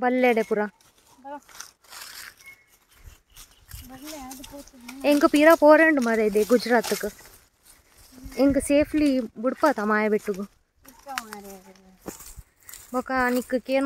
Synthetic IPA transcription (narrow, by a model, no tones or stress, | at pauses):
bɐlːeːɽepʊɾãː | ɛŋɡɐpiːɾapoːɾeːɳɖɯmaːɾed̪eːɡʊd͡ʒɾaːt̪ːɯkːɯ | ɛŋɡɯseːfliʋʊɽɯpːaːt̪amaːjɐʋiʈːɯkːɯ | bokanikːɯkeːn